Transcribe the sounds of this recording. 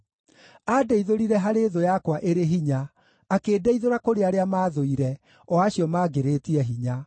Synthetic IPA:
adeiðoɾiɾɛɦaɾeðojakwaʔeɾeɦiɲaː | keːdɛiðoɾakoɾeaɾeamaːðoiɾɛ | ɔaɕjɔmaːɡeɾetiɛɦiɲa

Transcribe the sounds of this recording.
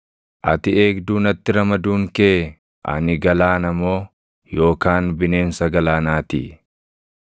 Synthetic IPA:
ʔɐt̪ɪe̞ːɡd̪uːnɐt̪ːɪɾɐmɐd̪uːŋke | ʔɐ̰nɪɡɐlaːnɐmːo̞ː | jo̞ːkaːnbɪne̞ːnsɐɡɐlaːnaːt̪ḭː

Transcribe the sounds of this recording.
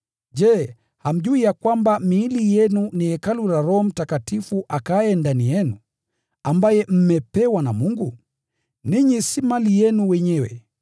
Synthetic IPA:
d͡ʒɛː | ham̩ʄuijakwambamiːlijɛnuniɛkaluɾaɾɔm̩takatifuʔakaɛndanijɛnu | ambajɛm̩mɛpɛwanamuŋɡu | niɲisimalijɛnuwɛɲɛwɛ̰

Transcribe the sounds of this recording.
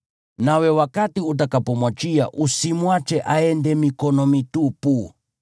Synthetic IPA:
nawɛwakatiut̬akapɔmwat͡ʃia̰ʔusimwat͡ʃɛʔaɛndɛmikɔnɔmitupu

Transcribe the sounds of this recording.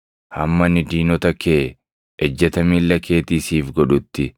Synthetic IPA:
hɐmːɐnɪd̪iːnɔt̪ɐkeː | ɛd͡ʒːɛt̪ɐmiːlːɐkʰe̞ːt̪iːsiːfɡɔᶑʊt̪ːɪ

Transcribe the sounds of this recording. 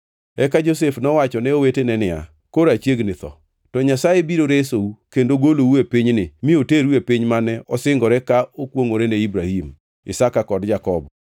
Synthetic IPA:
ɛkad͡ʒos̬efnɔwat͡ʃɔnɛowetenɛnɪa̰ | koɾat͡ʃeɡnɪt̪ɔ̰ | tɔɲasajebiɾoɾesoukendoɡolouepɪɲnɪmɪoteɾuepɪɲmanɛɔsɪŋɡɔɾɛkaokwoŋoɾenɛibɾahim | ɪ̰sakakɔdd͡ʒakɔbɔ

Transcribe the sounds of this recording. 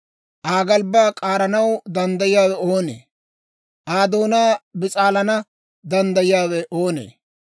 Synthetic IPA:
ʔaːɡɐlbaːkʼaːɾɐnɐwd̪ɐnd̪ɐjɪjaːwɛoːnḛː | ʔaːd̪o̞ːnaːbɪt͡sʼaːlɐnɐ | d̪ɐnd̪ɐjɪjaːwɛʔo̞ːnḛː

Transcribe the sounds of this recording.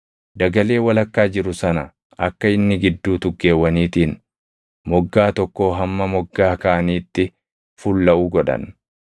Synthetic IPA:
d̪ɐɡɐle̞ːwɐlɐkːaːd͡ʒɪɾʊsɐnɐ | ɐkːɐɪnːɪɡɪd̪ːuːt̪ʊɡːe̞ːwːɐniːt̪iːn | mɔɡːaːt̪ɔkːo̞ːɦɐmːɐmɔɡːaːkɐʔɐniːt̪ːɪ | fʊlːɐʔuːɡɔᶑɐ̰n

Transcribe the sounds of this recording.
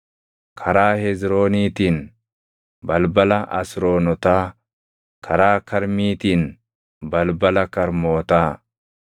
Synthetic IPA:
kʰɐɾaːhɛzɾo̞ːniːt̪iːn | bɐlbɐlɐʔɐ̰sɾoːnɔt̪aː | kʰɐɾaːkɐɾmiːt̪iːn | bɐlbɐlɐkɐɾmoːt̪aː

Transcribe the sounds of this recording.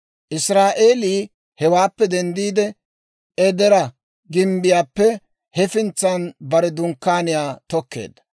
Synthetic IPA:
ʔɪsɾaːʔeːliː | hɛwaːpːɛd̪ɛnd̪iːd̪ɛ | ɛd̪ɛɾɐ | ɡɪmbɪjaːpːɛ | hɛfɪnt͡sːɐnbɐɾɛd̪ʊŋkːaːnɪjaːt̪ɔkːḛːd̪ɐ̥

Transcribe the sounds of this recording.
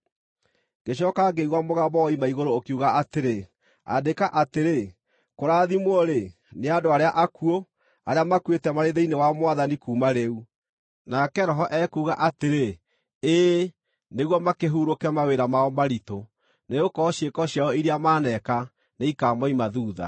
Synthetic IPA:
ɡ̥eɕ̬ɔkaɡeiɣwamoɣabɔimaiɣoɾoːkuɣaʔateɾe | a̰dekaʔateɾe | koɾaðimwɔɾe | neadoaɾeaʔakuo | aɾeamakwetɛmaɾeðeinewamwaðanikuːmaɾeu | nakɛɾɔɦɔʔɛkuːɣaʔateɾe | eː | neɣwɔmakeɦuːɾokɛmaweɾamaɔmaɾito | neokɔɕekɔɕjaɔiɾeamaːnɛka | neikaːmɔimaðuːða̰

